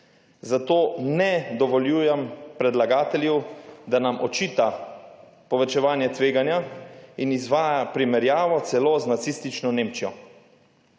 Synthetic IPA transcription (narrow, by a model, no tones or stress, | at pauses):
zat̪oːnɛd̪ɔʋɔljuːjɛmpɾɛd̪laɡaːt̪ɛljɛwd̪anamʔɔt͡ʃiːt̪a | pɔʋɛt͡ʃɛʋaːnjɛt̪ʋeːɡanjainizʋaːjapɾimɛɾjaːʋɔt̪sɛloːznat̪sist̪it͡ʃnɔneːmt͡ʃijɔ